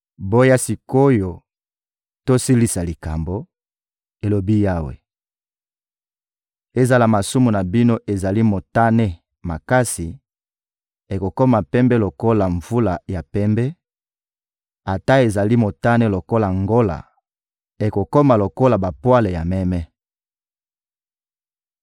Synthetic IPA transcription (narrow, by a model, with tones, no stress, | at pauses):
bo˦ja˦si˨ko˦jo˨ | to˦si˦li˦sa˨li˨ka˨mbo˨ | e˨lo˨bi˦ja˦wḛ˨ | e˦za˨la˨ma˨su˦mu˨na˨bi˦no˦ʔe˨za˨li˦mo˨ta˦ne˦ | ma̰˨ka˦si˨ | e˨ko˨ko˦ma˨pɛ˦mbɛ˦lo˨ko˦la˨ɱvu˦la˨ja˨pɛ˦mbɛ˦ | a˨ta˦e˨za˨li˦mo˨ta˦ne˦lo˨ko˦la˨ŋɡo˦la̰˨ | e˨ko˨ko˦ma˨lo˨ko˦la˨ba˨pwa˦le˨ja˨mɛ˦mɛ˦